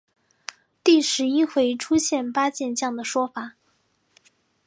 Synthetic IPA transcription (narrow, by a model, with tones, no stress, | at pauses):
t̪i˥˩ʂɻ̩˧˥i˥xwe˧˥ɪʈ͡ʂʰu˥ɕjɛ˥˩npa˥t͡ɕjɛ˥˧nt͡ɕjɑ˥˩ŋd̪ə˩ʂwɔ˥fa˨˩˦